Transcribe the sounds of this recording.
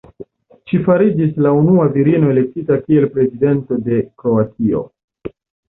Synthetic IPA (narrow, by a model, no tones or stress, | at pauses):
ʃifaɾid͡ʒislaunuaviɾino̞e̞le̞k̚titakie̞lpɾe̞zide̞nto̞de̞kɾo̞atio̞̰